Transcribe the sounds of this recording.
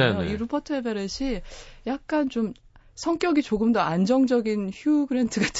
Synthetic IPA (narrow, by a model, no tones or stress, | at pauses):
eoiɾupʰʌtʰɯebeɾeɕʰijak̚k͈ant͡ɕom | sʰʌŋk͈jʌɡit͡ɕoɡɯmdʌand͡ʑʌŋd͡ʑʌɡinçjuɡɯɾentʰɯɡat͡ɕʰ